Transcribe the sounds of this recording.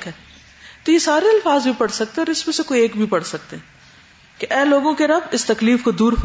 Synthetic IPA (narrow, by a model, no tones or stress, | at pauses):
kɛ | t̪ojesaːɾeɐlfaːzbʱipɐɽsɐk̚t̪ẽɛɔːɾɪsmẽsekoːieːkbʱipɐɽsɐk̚t̪eɦɛ̃ | keʔɛːloːɡõkeɾɐbɪst̪ɐkliːfkod̪uːɾf